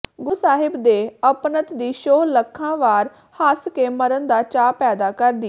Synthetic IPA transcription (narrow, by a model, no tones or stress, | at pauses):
ɡʊsaːɦɪbd̪eːəpnət̪d̪iːʃoːləkʰːãːʋaːɾ | haskeːməɾənd̪aːt͡ʃaːpɛːd̪aːkəɾd̪iː